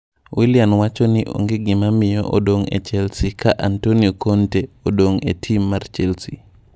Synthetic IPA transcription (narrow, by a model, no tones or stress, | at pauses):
wiljanwat͡ʃɔnɪʔo̰ŋɡɪɡɪmamɪjɔ̰ʔo̰doŋḛt͡ʃɛlsikaʔantoniokʰonteodoŋetʰimːart͡ʃɛlsḭ